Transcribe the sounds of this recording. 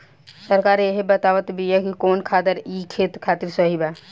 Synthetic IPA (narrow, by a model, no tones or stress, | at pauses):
səɾkaɾeɦebət̪aʋət̪biɛkikoːnkʰad̪əɾikʰet̪kʰat̪iɾsəɦiba